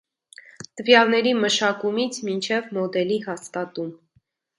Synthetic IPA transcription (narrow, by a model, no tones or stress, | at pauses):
t̪əvjɑlnɛɾiməʃɑkumit͡sʰmint͡ʃʰɛvmɔd̪ɛlihɑst̪ɑt̪um